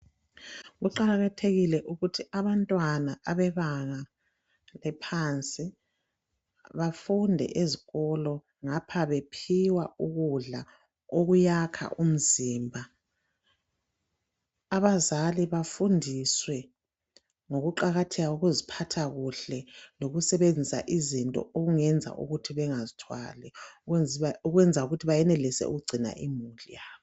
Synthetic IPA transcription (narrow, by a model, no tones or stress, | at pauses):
ɣuǃaɣatʰeɣilɛʔuɣutʰiaβantʼwanaʔaβɛβaŋa | lɛpʰant͡sʼi | βafundʱɛ̰ʔeziɣɔlɔ | ŋapʰaβepʰiwauɣuɮa | oɣujakʰa̰ʔum̩ziːmbʱa | aβazaliβafundʱiswɛ | ŋoɣuǃaɣatʰɛɣauɣuzipʰatʰaɣuɬɛloɣusɛβend͡zʱisa̰ʔizintʼɔ̰oɣuŋɛnd͡zʱa̰ʔṵɣutʰiβɛŋazitʰwa̰lɛ | uɣwɛnd͡zʱauɣutʰiβajɛnɛlisɛ̰ṵɣuɡ͡ǀʱina̰ʔimulijaːβɔ